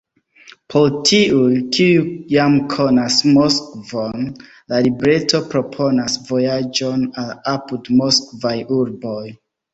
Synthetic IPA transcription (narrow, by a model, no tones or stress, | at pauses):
pʰoltʰiujkʰiujamkʰo̞nasmo̞skvon | lalibɾe̞to̞pɾo̞pʰo̞nasvo̞jad͡ʒo̞nalapudmo̞skvajuɾbo̞j